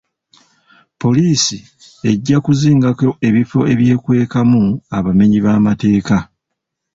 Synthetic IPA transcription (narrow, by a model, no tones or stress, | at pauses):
po̞liːsi | e̞ɟːakuziːŋɡako̞ʔe̞βifo̞e̞βje̞ːkwe̞ːkamuaβame̞ɲiβaːmate̞ːka